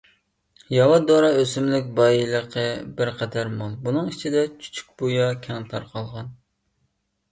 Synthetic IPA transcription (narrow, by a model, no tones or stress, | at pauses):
jɑwɑd̪oɾɑøsymlɪkʲbɑjilˠəqʰəbɪɾqʰɛd̪æɾmɑlˠbunɨŋit͡ʃʰid̪ɛt͡ʃʰy̥t͡ʃʰy̥k̚ʲb̥ojɑkʲʰɛŋt̪ʰɑɾqʰɑlˠʁɑn